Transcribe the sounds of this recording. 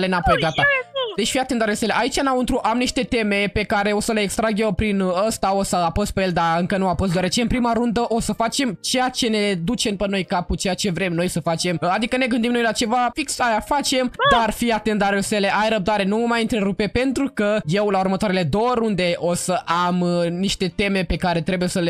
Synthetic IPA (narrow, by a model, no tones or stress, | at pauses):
lenapo̞jɡat̪ad̪̥et͡ʃfiat̪e̞nd̪aɾoseleʔait͡ʃanamunt̪ɾuʔamniʃt̪e̞t̪e̞me̞pe̞kaɾe̞o̞səle̞ːkst̪ɾaɡʲewpɾinəst̪ao̞saapəst̪pejeld̪aɨŋkənuafos̬t̪d̪oaɾet͡ʃe̞ɨnpɾimaɾund̪əʔo̞səfat͡ʃe̞mt͡ʃe̞jat͡ʃe̞ne̞d̪ut͡ʃe̞mpəno̞jkaput͡ʃejat͡ʃe̞vɾe̞mnojsəfat͡ʃe̞mad̪ikəne̞ɡɨnd̪imno̞jlat͡ʃe̞vafiksajafat͡ʃe̞md̪arfiat̪end̪aɾulsele̞ʔajrəb̚d̪aɾe̞nuvəmajɨnt̪ɾe̞ɾupe̞pe̞nt̪ɾukəje̞wlaurmət̪oaɾele̞d̪owəɾund̪e̞ʔo̞səʔamniʃt̪e̞t̪e̞me̞pe̞kaɾe̞t̪ɾe̞buje̞səle